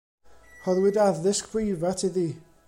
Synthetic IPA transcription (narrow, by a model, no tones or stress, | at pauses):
hɔðwɪdavðɪskʰwejvatʰiðiː